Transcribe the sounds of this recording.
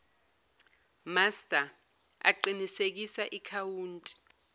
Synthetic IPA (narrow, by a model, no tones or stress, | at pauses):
mastʼa | a̰ǃinisek̬isaʔikʰawuːntʼi̥